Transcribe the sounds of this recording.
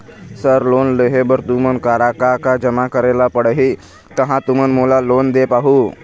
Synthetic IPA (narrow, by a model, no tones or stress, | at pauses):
səɾlonleɦebəɾt̪umənkaɾakakad͡ʒəmakəɾelapəɽɦi | t̪əɦãt̪umənmolalond̪epaɦu